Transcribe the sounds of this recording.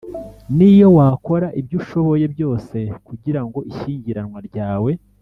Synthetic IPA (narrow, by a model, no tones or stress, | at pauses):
nijo̞waːko̞ɾaʔibɟuːʃo̞βo̞je̞bjo̞ːse̞kuɟiɾaŋɡo̞ʔiʃiːɲɟiɾanwaɾɟaːwe̞